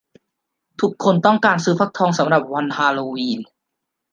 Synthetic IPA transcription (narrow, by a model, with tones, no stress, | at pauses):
t̪ʰu˨˧˩kʰːo˧nt̪ɔ˥˩ŋkaː˧nsɯː˧˩pʰa˦˥k̚t̪ʰɔː˧ŋsa˨˩˦mɾa˨˩p̚wa˧nhaː˧loː˧wiː˧n